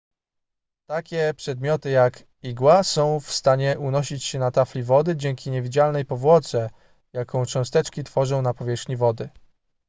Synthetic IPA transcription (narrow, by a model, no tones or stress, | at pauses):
t̪akʲɛpʂɛd̪mʲjɔt̪ɘjak | iɡwasɔ̃w̃fst̪aɲɛʔunɔɕit͡ɕɕɛnat̪aflʲivɔd̪ɘd͡ʑɛŋkʲiɲevʲid͡ʑalnɛjpɔvwɔt̪sɛ | jakɔ̃w̃t͡ʂɔ̃w̃st̪ɛt͡ʂkʲit̪fɔʐɔ̃w̃napɔvʲjɛʂxɲivɔd̪ɘ